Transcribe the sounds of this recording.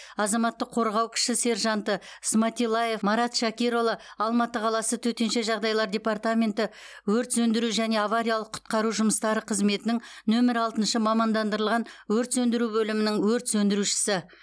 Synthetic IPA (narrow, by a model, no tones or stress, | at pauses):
ɑzɑmɑt̪ːəqʰːo̞ɾʁɑwkʲʰɪ̥ʃɪse̞ɾʒɑnt̪əsmɑt̪ʲilˠːaje̞fmɑɾɑt̪ʃɑkʲiɾolˠɑɑlˠmɑt̪əqʰɑlˠɑsət̪ʰɵt̪e̞nʃe̞ʒɑʁd̪ɑjlˠɑɾd̪ʲe̞part̪amʲe̞nt̪ɪ | wɵɾt̪sɵnd̪ɪɾuʒæne̞ɑvaɾʲijɑlˠəqʰʊ̥t̪qɑɾuʒʊməst̪ɑɾəqʰəzme̞t̪ɪnɪŋnɵmɪɾɑlˠt̪ənʃəmɑmɑnd̪ɑnd̪əɾəlˠʁɑnwɵɾt̪sɵnd̪ɪɾubɵlɪmɪnɪŋwɵɾt̪sɵnd̪ɪɾuʃɪ̥sɪ